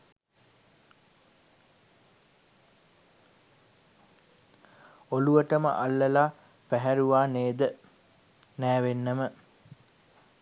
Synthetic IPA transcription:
oluʋəʈəmə̰ʔalːəlaː | pæɦæɾuʋaːneːd̪ə | næːʋenːəmə

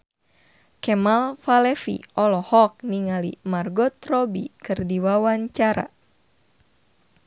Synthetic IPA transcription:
kɛmalfalɛfḭɔlɔhɔk̚niŋalḭmarɡɔt̪rɔbikɨrdiwawaɲt͡ʃaɾa̰

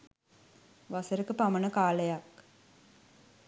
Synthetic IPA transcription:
ʋasəɾəkəpamənəkaːləjak

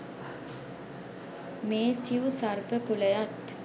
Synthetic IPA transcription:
meːsiusarbəkuləjat̪

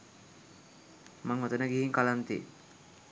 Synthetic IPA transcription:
maŋɦot̪ənəɡiɦiŋkalant̪ḭ

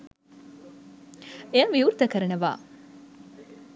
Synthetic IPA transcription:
eəʋiuɾt̪əkəɾɐnɐʋa̰ː

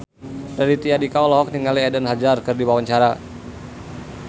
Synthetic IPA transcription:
dadit̪iadikaɔlɔɦɔk̚niŋaliɛdənɦad͡ʒarkɨrdiwawaɲt͡ʃaɾa

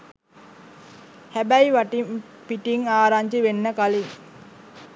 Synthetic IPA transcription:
hæbæjʋaʈim | piʈiŋaːɾaɲd͡ʒiʋenːəkaliŋ

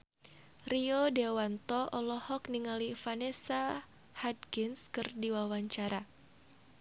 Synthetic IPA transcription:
riodewant̪ɔʔɔlɔhɔkniŋalifanesa | had̪̚ɡɪnskɨrdiwawaɲt͡ʃaɾa

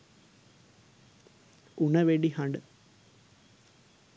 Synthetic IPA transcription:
uɳɐʋeːɳɖiɦɐɳɖɨ

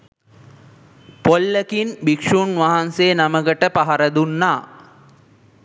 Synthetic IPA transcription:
polːəkinbikʂuːnʋaɦanseːnaməkəʈəpaɦɐɾɐd̪unːaː

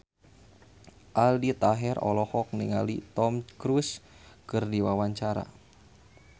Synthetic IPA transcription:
ʔaldit̪aɦɛrɔ̰lɔhɔk̚niŋa̰lit̪ɔmkɾuskɨrdiwawaɲt͡ʃaɾa̰

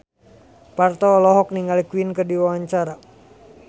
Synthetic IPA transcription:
part̪ɔːlɔɦɔkniŋɡalikuwinkədiwawaɲt͡ʃaɾa

